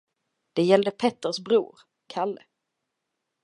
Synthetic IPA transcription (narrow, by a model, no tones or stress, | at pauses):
d̪̥ɛjɛld̪əpʰɛt̪ːəʂbɾṵːɾ | kʰalːə̰